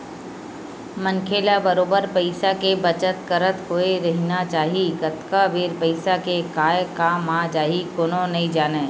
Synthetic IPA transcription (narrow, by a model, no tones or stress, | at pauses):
mə̃ŋkʰeːlabəɾoːbəɾpəɪsakebət͡ʃət̪kəɾət̪ɦoːeɾɐɦinat͡ʃaːɦikət̪kabeːɾpəɪsakekaːjkaːmad͡ʒaːɦikoːnonɐĩd͡ʒaːneː